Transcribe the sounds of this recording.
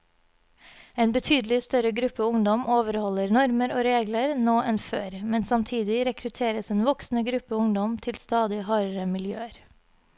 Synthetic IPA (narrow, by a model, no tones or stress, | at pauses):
eːnbət̪ʰyːd̪l̩ɪst̪œɾəɡɾʉpəʊŋd̪ɔmʔoːʋəɾhɔləɾnɔɾməɾoːɾeːɡləɾnoːʔɛnføːɾmɛnsɑmt̪ʰiːd̪ɪɾɛkʰɾʉt̪ʰeːɾəseːnʋɔksn̩əɡɾʉpəʊŋd̪ɔmt̪ʰɪlst̪ɑːd̪ɪhɑːɾəɾəmɪljø̰ːəɾ